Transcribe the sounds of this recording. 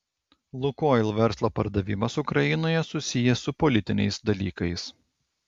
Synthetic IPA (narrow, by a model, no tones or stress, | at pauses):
lˠʊkoːɪlˠʋʲɛɾslˠoːpɐ̰ɾd̪ɐʋʲɪmɐsʊkɾɐɪnoːjɛsʊsʲɪjɛsʊpɔlʲɪt̪ʲɪnʲɛ̰ɪsd̪ɐlʲiːkɐɪs